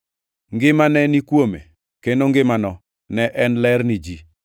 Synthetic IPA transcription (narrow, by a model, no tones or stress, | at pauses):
ŋɡɪmanɛnikwomḛ | kendoŋɡɪmanɔ | nɛʔɛnlɛɾnid͡ʒi